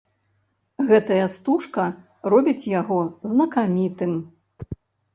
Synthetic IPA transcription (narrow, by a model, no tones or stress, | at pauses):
ɣɛt̪ɐjɐst̪uʂkɐ | rɔbʲit͡sʲjaɣɔznɐkamʲit̪ɨm